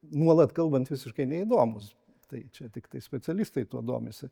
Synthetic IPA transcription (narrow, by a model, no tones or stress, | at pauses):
nuɔlˠɐt̪kɐlˠbɐnt̪ʋʲɪsʲɪʃkɐɪnʲɛid̪oːmʊs | t̪ɐɪt͡ʃʲɛt̪ʲɪkt̪ɐɪsʲpʲɛt͡ssʲɛlʲist̪ɐɪt̪uɔd̪o̰ːmʲɪsʲɪ